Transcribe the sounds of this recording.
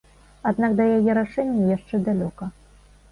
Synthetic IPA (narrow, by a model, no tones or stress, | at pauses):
ad̪nakd̪ɐjajɛɾaʂɛnʲːɐjaʂt͡ʂɛd̪alʲɔkɐ